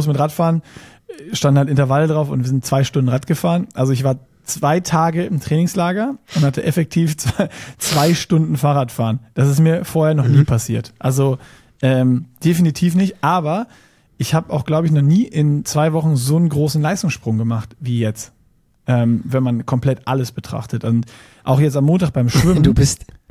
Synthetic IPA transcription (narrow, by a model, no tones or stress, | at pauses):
mʊsmɪtʁaːtfaːʁən | ʃtandnhaltɪntɐvalədʁaʊfʊ̰ntv̥iɐzɪntt͡sv̥aɪʃtʊndn̩ʁatɡ̥əfaːʁənʔalzoɪçv̥aːɐ | t͡sv̥aɪtʰaːɡəɪmtʁ̥ɛːnɪŋslaːɡɐʊnthatʰəʔɛfɛk̚tʰiːft͡sat͡sv̥aɪʃtʊndn̩faːʁatfaːʁənd̥as̬ɪs̬tmiːɐfoːɐheːɐnɔniːpʰasiːɐtʔalzo | ʔɛːmd̥efinitʰiːfnɪçtʔaːbɐ | ʔɪçhaːbəʔa̰ʊxɡ̥laʊbəɪçnɔχniːʔɪnt͡sv̥aɪvɔχn̩zoːənɡʁoːsn̩laɪstʊŋsʃpʁ̥ʊŋɡəmaχtviːjɛt͡st | ʔɛːmvɛnmankʰɔmpl̥ɛtʔa̰ləsb̥ətʁ̥a̰χtətʔʊnt | ʔa̰ʊxjɛt͡stamːoːntaːχb̥aɪmʃv̥ɪmdbɪst